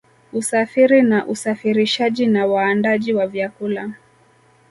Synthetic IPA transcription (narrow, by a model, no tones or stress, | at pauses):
usafiɾinaʔusafiɾiʃaʄinawaːndaʄiwavjakula